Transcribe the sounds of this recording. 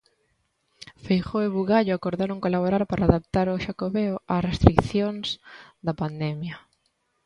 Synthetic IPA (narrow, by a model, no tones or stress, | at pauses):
fejχoeβuɣaʎʊakoɾðaɾoŋkolaβoɾaɾpaɾaːðap̚t̪aɾʊʃakoβeoasrest̪ɾikθjoŋz̥d̪apand̪ɛmjɐ